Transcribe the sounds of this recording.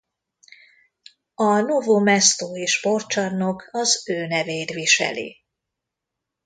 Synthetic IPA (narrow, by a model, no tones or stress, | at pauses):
ɒnovomɛst̪oːeʃpo̞rt͡ʃɒnːo̞kʰɒzøːnɛveːjt̪ʋiʃɛ̰lḭ